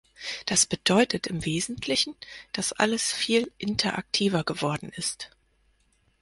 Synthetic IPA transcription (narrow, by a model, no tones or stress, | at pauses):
d̥asb̥əd̥ɔʏtətɪmveːzn̩tʰlɪçn̩d̥asʔa̰ləsfiːlʔɪntʰɐʔa̰k̚tʰiːvɐɡəvɔɐdn̩ʔɪst